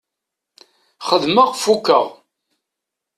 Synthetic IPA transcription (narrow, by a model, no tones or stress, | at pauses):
χəðməʁfukːə̰ʁ